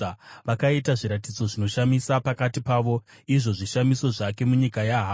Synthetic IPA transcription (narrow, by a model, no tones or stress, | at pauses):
ʋakaitaʐiɾatid͡zo̞ʐino̞ʃamisapakatipaːʋo̞ | iʐo̞ʐiʃamiso̞ʐake̞muɲikajaɦaː